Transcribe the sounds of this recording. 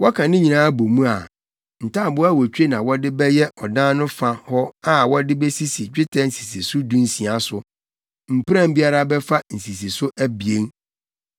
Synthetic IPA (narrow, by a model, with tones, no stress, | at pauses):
wɔ˦kʰã˨nɪ̃˦ɲĩ˨nãː˦bo˨mũ˦a˨ | n̩˨tʰa˦˨bʊ˦a˦˨wɔ˨t͡ɕᶣe˦nã˨wɔ˦dɪ˦bɛ˦jɛ˦ʔɔ˨dãː˦nʊ̃˦fã˦hɔ˦a˦wɔ˦dɪ˦bɛ˦si˦si˨d͡ʑᶣɪ˦tʰɛ˦n̩˦˨si̥˨si˨sʊ˦dũ˦n̩˦sĩ˨a˨sʊ˨ | m̩˨pɾã˦m˦bi˦a˦ɾa˦bɛ˦fa˦n̩˨si˨si˨sʊ˦ʔæ˦bi˨e˦ŋ